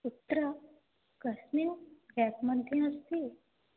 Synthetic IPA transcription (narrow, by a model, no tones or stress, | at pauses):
ut̪ːɾə | kəsniɡæpməɳt̪ĩəst̪i